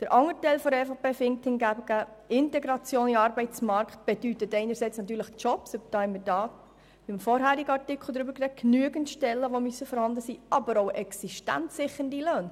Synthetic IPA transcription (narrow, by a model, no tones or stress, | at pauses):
d̥əɾʔɑŋːətɛɪlfɔɾɛfopeːfɪŋkthɪnɡæbəɡ̥æɪntɛɡɾɑt͡sjoːniɑːɾbɛɪt͡smɑɾkχt̚b̥ɛd̥ytətɛɪnəɾsɛɪt͡snɑt̪ːyːɾləχt͡ʃɔpsøbd̥ɑːhɛnmədɑː | ʋimfɔɾɦæːɾiɡəɑɾtɪkʰl̩ˠdɾʏbəɾkɾɛknyəɡəntʃtɛlːəʋomysːəfɔɾhɑndəsiːʔɑbəɾoʊʔɛksiʃtæ̰ntsɪχəndiløːn